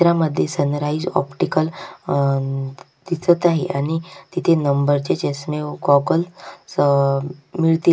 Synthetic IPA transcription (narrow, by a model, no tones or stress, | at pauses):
ɾaməd̪ʱːjesənɾaid͡zɔ̰pʈikəl | d̪̥it͡sət̪aɦeʔaɽ̃it̪it̪ʰenəmbəɾt͡ɕet͡ɕesmeɡɔɡəls | miɭt̪i